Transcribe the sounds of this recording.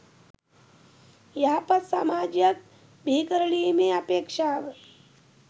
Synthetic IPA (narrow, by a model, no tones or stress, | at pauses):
jaɦpɐsa̰maːd͡ʒjək̚ | bʱikəɾɭimẽəpeːkʃaʋə